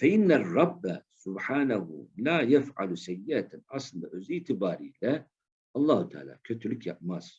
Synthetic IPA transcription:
faʔɪnːarˤːɑbːasʊbħaːnahṵlajafʕa̰lusajːɪʔat̪ʔɑsˤlʕʊziːt̪ɪbaːɾila | ʔɑlˤːɑːht̪aa̰ːla̰kat̪ʊlɪkja̰ʕmaːs

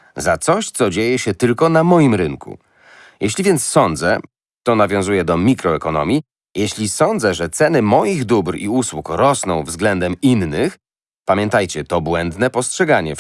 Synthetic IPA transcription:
zat̪sɔɕt̪sɔd͡ʑejɛɕɛt̪ɘlkɔnamɔjimɾɘŋkʰṵ | jʔeɕlʲivʲjɛnt̪ssɔnd̪zɛ̰ | t̪ɔnavʲjɔ̃w̃zujɛd̪ɔmʲikɾɔɛkɔnɔ̰mʲi | jeɕlʲisɔnd̪zɛʐɛt̪sɛnɘmɔjiɣd̪ubɾḭuswukɾɔsnɔ̃w̃vzɡlɛnd̪ɛminːɘx | pamʲjɛ̃nt̪ajt͡ɕɛt̪ɔbwɛnd̪nɛpɔstʂɛɡaɲɛ

